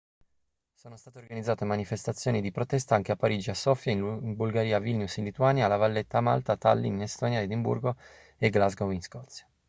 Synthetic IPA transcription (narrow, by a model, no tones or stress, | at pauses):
soːnost̪aːt̪eorɡanid̪zːaːt̪emanifest̪at̪sːjoːnid̪ipɾot̪ɛst̪aaŋk̟eapːaɾid͡ʒiasːɔfjainmbulɡaɾiːavilnjusinlit̪uaːnjalavalːet̪ːama̰lt̪at̪alːḭninest̪ɔːnjaed̪imbṵrɡo | eɡlazɡovinskɔt̪sːjḁ